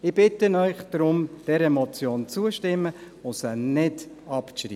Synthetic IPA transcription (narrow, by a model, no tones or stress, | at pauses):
ɪb̥ɪtənœʏχd̥ɾʊmd̥ɛɾɛmɔt͡sjoːnt͡suəʃtɪmːə | ʊsənɪd | ɑpʃɾḭ